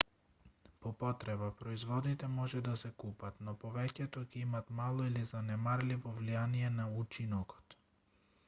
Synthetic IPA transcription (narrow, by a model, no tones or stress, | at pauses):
pɔpɔt̪ɾɛbapɾɔizvɔd̪it̪ɛmɔʒɛd̪asɛkupat̪nɔpɔvɛcɛt̪ɔcɛimat̪malˠɔilizanɛmaɾlivɔvlijaniɛnaut͡ʃinɔkɔ̥t̪